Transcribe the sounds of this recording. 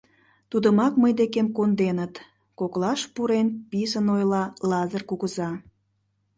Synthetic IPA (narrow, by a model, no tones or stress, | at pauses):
t̪ud̪əmɑkməjd̪ekemkond̪enət̪ | koklɑʃpuɾenpisənojlɑlɑzərkuɣəzɑ